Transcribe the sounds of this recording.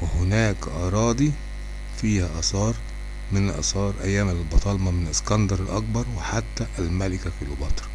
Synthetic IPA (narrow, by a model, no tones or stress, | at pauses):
wɪhʊnæːkʔɑɾˤɑːd̪i | fiːhæʔɑsɑːɾˤ | mɪnʔɑ̰sˤɑːɾˤʔæ̰jːæːmælbɑt̪ˤɑlmɑmɪnɪskɑnd̪ɑɾˤɪlʔɑk̚bɑɾˤwɪħat̪ːæʔːlmælɪkækilubɑt̪ˤɾ